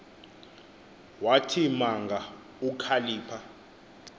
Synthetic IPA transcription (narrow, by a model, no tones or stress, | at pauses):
watʰimaŋɡʱa | ukʰaliːpʰa